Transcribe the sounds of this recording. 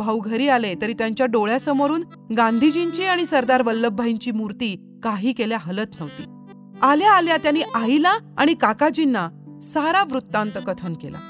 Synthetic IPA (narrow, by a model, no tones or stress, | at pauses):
bʱəwɡʱəɾiːalet̪əɾiːt̪jaɲt͡ɕjaɖoɭjasəmoɾuːn | ɡãnd̪ʱid͡ʑint͡ɕiaɽ̃isəɾd̪aɾʋəlːəbʱːaiɲt͡ɕiːmuɾt̪iː | kaɦiːkeljaɦələt̪nəʋt̪ḭː | aljaːljat̪janːiːʔailaa̰ɽ̃ikakad͡ʑinːa | saɾaʋɾut̪ːãnt̪əkət̪ʰənkḛla̰